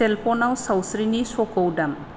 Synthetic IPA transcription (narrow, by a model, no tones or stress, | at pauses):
elpɔnawsawsɾinisɔkowdam